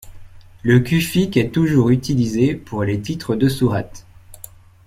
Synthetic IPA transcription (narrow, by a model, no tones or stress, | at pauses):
ləkʲyfikɛt̪uʒuʁyt̪ilizepʰuʁlet̪it̪χəd̪əsuʁat̪